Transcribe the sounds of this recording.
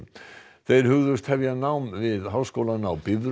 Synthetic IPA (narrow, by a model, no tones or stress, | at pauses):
θeɾhʉɣðʏst̪hɛvjanawmvɪðɦawskowlanawbɪvɾ